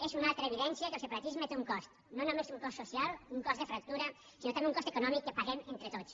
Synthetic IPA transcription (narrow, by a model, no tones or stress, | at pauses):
ezunalˠt̪ɾəːβiðɛnsiəkəlˠsəpaɾət̪izmət̪euŋkɔst̪ | nonomesuŋkɔst̪sosialˠuŋkɔsəfɾɐk̚t̪uɾə | sinot̪ameuŋkɔst̪əkunɔmikːəpaɣɛment̪ɾət̪ot͡s